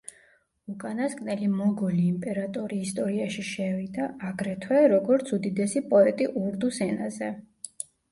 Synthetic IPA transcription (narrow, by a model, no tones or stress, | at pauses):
ukʼanaskʼnɛlimɔɡɔliːmpʼɛɾat̪ʼɔɾiːst̪ʼɔɾiaʃiʃɛvid̪aaɡɾɛt̪ʰwɛɾɔɡɔɾt̪sʰud̪id̪ɛsipʼɔɛt̪ʼiʔuɾd̪usɛnazɛ